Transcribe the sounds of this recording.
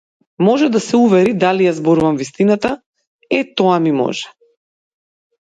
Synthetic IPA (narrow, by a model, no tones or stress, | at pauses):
mɔʒɛd̪asɛuvɛɾid̪alijazbɔɾuvamvist̪inat̪a | ɛt̪ɔamimɔ̰ʒɛ